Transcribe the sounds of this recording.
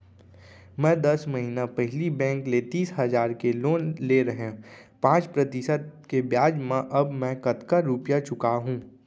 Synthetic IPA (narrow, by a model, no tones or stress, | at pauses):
mɛ̃ːd̪ɐsməɦinapɛɦlibɛ̃ːŋklet̪iːsɦɐzaːɾkeloːnleɾɐɦẽ | pãːt͡ʃpɾɐt̪ɪsəd̪̚kebjaːd͡ʒmẽʔɐbmɛ̃kɐt̪kaɾuːpjat͡ʃʊkaɦũː